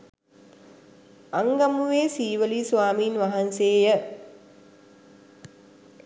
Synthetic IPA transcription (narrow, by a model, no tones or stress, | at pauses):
aŋɡamuʋeːsiːʋəlisʋaːmiːnʋaɦanseːjə